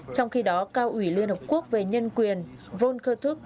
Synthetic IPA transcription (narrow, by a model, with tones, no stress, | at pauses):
t͡ɕɔ˧wŋ͡mxi˧ɗɔ˨˦kaː˧wʔwi˧˩li˧ənhə˨˩p̚ku˦˥ək̚ve˨˩ɲə˧nkwi˨˩ən | vo˧nxəː˧t̪ʰʊ˦˥k̚